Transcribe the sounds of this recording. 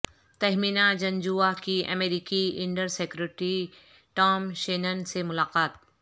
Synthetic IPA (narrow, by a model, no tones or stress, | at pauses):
t̪ɐɦminad͡ʒɐ̃nd͡ʒuakiʔɐ̰meːɾiːkiɪ̃ɳɖəɾseːkʊɾɪʈɾi | ʈɔːmʃeːnənsemʊlaːqaːt̪̚